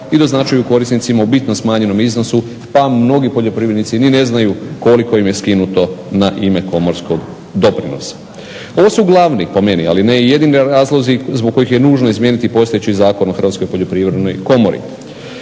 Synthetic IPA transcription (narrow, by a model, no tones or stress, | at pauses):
id̪o̞znat͡ʃajuko̞ɾisnit̪simaubit̪nomsmaːɲe̞no̞mizno̞su | pamno̞ɡipo̞ʎo̞pɾiːʋɾed̪nit̪sinine̞znajuko̞liko̞imje̞skinut̪o̞naʔime̞ko̞mo̞ɾskoɡ | d̪o̞pɾino̞̰sḁ | o̞ʋosuuɡlˠaʋnipo̞me̞nia̰lineje̞d̪iniɾaːzlˠo̞zizboɡ̚kːo̞jixjenuːʒno̞izmje̞ːnit̪ipo̞st̪ojet͡ɕizaːko̞noxɾr̩ʋaːt̪skojpo̞ʎopɾiʋɾed̪nojko̞moɾḭ